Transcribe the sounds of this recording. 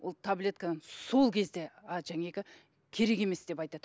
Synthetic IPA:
wo̰lˠt̪ʰablʲe̞t̪kananso̞lˠkʲʰe̞zd̪e̞aʒæŋʲekʲɪ | kʲʰe̞ɾe̞kʲe̞me̞sd̪̥e̞pɑjt̪ɑd̪̥ə

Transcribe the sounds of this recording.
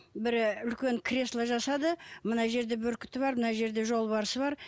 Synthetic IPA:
bɪɾʏlkʲe̞ŋkʲʰɾʲe̞slˠəʒɑsɑd̪əmənɑʒe̞ɾd̪e̞bɵɾkʲɪ̥t̪ɪbɑɾmənɑʒe̞ɾd̪e̞ʒo̞lˠbɑɾəsəβɑɾ

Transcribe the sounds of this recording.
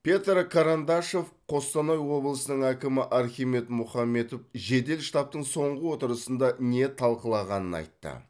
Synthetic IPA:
pʰʲe̞t̪ɾkʰaɾand̪ɑʃo̞f | qʰo̞st̪ɑnojwo̞blˠəsənəɴækʲɪmɪʔɑɾxʲime̞t̪mʊχɑmːe̞t̪opʒe̞d̪e̞lʃt̪ɑp̚t̪əɴso̞ɴʁəwo̞t̪əɾəsənd̪ɑne̞t̪ʰɑlˠqəlˠɑʁɑnənɑ̰jt̪ːə̰

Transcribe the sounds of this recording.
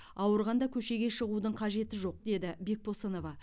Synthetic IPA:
ɑwəɾʁɑnd̪ɑkʲʰɵʃe̞ɡʲe̞ʃəʁud̪əɴqʰɑʒe̞t̪ɪʒo̞q̚d̪e̞d̪ɪbe̞k̚pʰosəno̞vɑ

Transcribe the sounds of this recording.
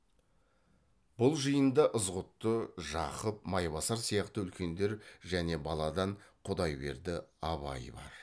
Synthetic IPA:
b̥ʊlˠʒijənd̪əʔəzʁʊt̪ːəʒɑqəp̚mɑjβɑsɑɾsijɑqt̪əʏlkʲe̞nd̪e̞ɾʒæne̞bɑlˠɑd̪ɑɴqʰʊd̪ɑjbe̞̰ɾd̪ɪɑβɑ̰jbɑ̰ɾ

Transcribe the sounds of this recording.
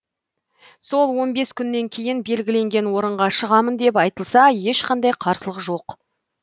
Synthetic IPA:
so̞lˠwo̞nbe̞skʲʰʏnːe̞ŋkʲʰe̞jɪnbe̞lɡʲɪle̞ŋɡʲe̞nwo̞ɾəɴʁɑʃəʁɑmənd̪e̞pɑjt̪əlˠsɑje̞ʃqʰɑnd̪ɑjqʰɑɾsəlˠəqʒo̞q

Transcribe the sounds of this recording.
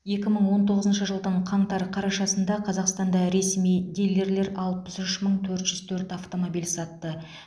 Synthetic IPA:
je̞kʲɪməɴwo̞nt̪ʰo̞ʁəzənʃəʒəlˠd̪əɴqʰɑɴt̪ɑɾqʰɑɾɑʃɑsənd̪ɑqʰɑzɑqst̪ɑnd̪ɑɾe̞smijd̪elɡ̪e̞ɾle̞ɾɑlˠpəsʏʃməɴt̪ʰɵɾt̪ʒ̥ʏz̥t̪ʰɵɾt̪aft̪o̞mobijlʲsɑt̪ːə

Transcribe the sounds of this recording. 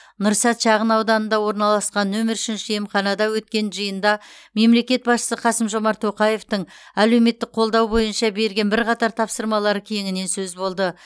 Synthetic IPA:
nʊɾsɑt̪ʃɑʁənɑwd̪ɑnənd̪ɑwo̞ɾnɑlˠɑsqɑnːɵmɪɾʃɪnʃɪjemχɑnɑd̪ɑwɵt̪̚kʲe̞nʒəjənd̪ɑme̞mle̞kʲe̞t̪̚bɑsʃə̥səqʰɑsəmʒo̞mɑɾt̪ʰːo̞qɑje̞ft̪əɴæle̞wme̞t̪ːɪk̚qʰo̞lˠd̪ɑwbo̞jənʃɑbe̞ɾɡʲe̞nbɪɾqɑt̪ɑɾt̪ʰɑpsəɾmɑlˠɑɾəkʲʰejɪŋɪne̞nsɵzbo̞lˠd̪ə

